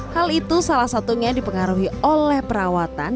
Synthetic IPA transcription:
halit̪usalahsat̪uɲadipəŋaɾuɦiolɛhpəɾawat̪a̰n

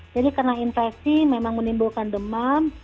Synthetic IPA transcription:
d͡ʒadikarnainfɛksimemaŋmənimbulkandəman

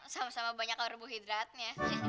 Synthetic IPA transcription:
samasamabaɲakrubuɦid̪ɾat̪̚nasi

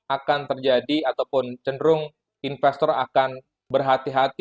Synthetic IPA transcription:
akant̪ərd͡ʒadiat̪awpʊnt͡ʃənɾʊŋ | infɛst̪ɔɾakan | bərɦat̪iɦat̪

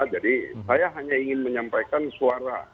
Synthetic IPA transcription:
d͡ʒadisajaɦaɲaiŋɪnməɲampajkansuaɾa̰

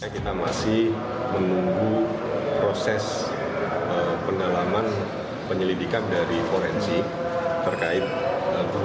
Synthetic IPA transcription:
kit̪amasɪh | mənuŋɡu | pɾosɛs | əpəŋɡalaman | pəɲəlidikandaɾifoɾɛnsi | t̪ərkaɪt̪̚ə

